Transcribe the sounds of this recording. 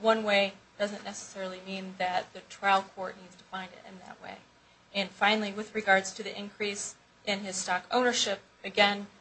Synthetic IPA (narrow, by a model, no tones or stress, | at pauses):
wʌ̃nweɪd̥ʌzɨ̃nːɛsə̥sɛɹl̩ˠimĩnðɨt̪̚ðɨtʰɹ̥aɪlˠkʰɔɹtⁿnidz̥tʰə̥fãɪ̃ndɨ̰ɾɨ̰̃nðɨ̰ʔ̚wḛɪ | ɨ̃nfãɪ̃nl̩ˠiwɨðɹɨɡɑɹdz̥tʰɨðiʔɨ̃nkʰɹ̥is | ʔɪ̃nɪz̥stɑkõʊ̃nə˞ʃɪp̚ɨɡɛ̃n